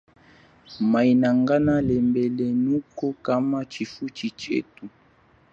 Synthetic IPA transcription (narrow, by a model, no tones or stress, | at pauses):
mainaŋɡanalɛmbɛlɛnukɔkamat͡ʃifut͡ʃit͡ʃḛtu